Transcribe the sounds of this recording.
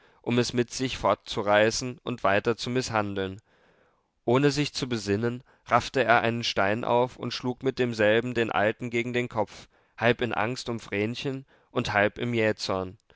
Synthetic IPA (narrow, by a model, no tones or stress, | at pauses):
ʔʊmɛsmɪtz̥ɪçfɔɐt̚t͡suʁaɪsn̩ʔʊntv̥aɪtɐt͡sumɪshandl̩n | ʔoːnəzɪçt͡subəzɪnən | ʁaftəeːɐʔaɪnənʃtaɪnʔa̰ʊfʊ̰ntʃluːkmɪt̚d̥eːmzɛlbm̩deːnʔa̰ltn̩ɡeːɡŋ̩deːnkʰɔp͡f | halpɪnʔa̰ŋstʊmfʁ̥ɛːnçən | ʔʊnthalpɪmjɛːt͡sɔɐn